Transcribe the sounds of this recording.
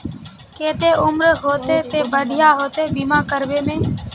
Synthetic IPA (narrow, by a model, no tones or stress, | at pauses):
keːt̪eːʊmɾɦoːt̪eːt̪eːbəɖʱɪjaːɦoːt̪eːbiːmãːkəɾʋeːmẽː